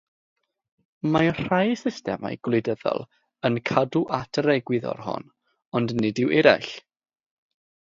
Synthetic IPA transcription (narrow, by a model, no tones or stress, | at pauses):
mar̥ajsɪstɛma̰jɡ̥lˠɪdəðɔ̰lˠ | ənkʰaduʔatʰəɾɛɡwɪðɔ̰rhɔ̰n | ɔndnɪdɪwʔɛɾa̰ɬ